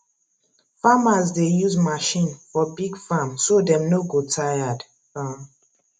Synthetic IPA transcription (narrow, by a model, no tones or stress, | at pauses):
famazdejuzmaʃĩnfɔbiɡfamsodɛ̃mnoɡotʰajad | a